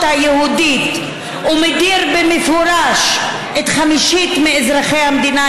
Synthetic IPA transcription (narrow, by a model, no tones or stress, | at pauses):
ajehud̪it̪ | umed̪iɾbemefuɾaʃ | ʔet̪χamiʃit̪meezɾaχejhamd̪ina